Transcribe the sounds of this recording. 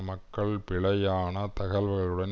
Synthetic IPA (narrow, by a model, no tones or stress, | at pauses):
mɐkːɐɭpɪɭɐjaːnɐt̪ɐɣɐlʋɐɣɐɭɯɽɐn